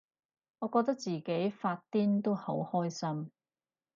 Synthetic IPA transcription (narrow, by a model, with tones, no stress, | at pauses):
ŋɔː˨˧kɔː˧k̚t̪ɐ˥k̚t͡siː˨ke˨˥jfaː˧t̚t̪iː˥nt̪o˥who˨˥whɔː˥jsɐ˥m